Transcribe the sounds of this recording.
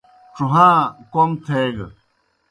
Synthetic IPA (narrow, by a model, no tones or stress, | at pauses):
ʈ͡ʂuɦãkoŋt̪ʰeɡə̰